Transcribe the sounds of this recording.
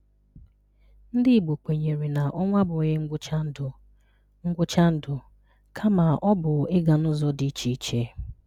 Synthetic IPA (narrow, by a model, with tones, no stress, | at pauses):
n̩˦dɪ˦˨ɡ͡bo˨k͡pʷe˨ɲe˨ɾi˨na˨ʔɔ˦ŋʷa˦bʊ˨ɣɪ˦ŋ̩˦ɡʊ˦t͡ʃa˦n̩˦dʊ˨ | ŋ̩˦ɡʷʊ˦t͡ʃa˦n̩˦dʊ˨ | kʰa˦ma˨ʔɔ˦bʊ˨ɪ˦ɡa˨nʊ˦zɔ˦di˨˦t͡ʃi˦t͡ʃe˦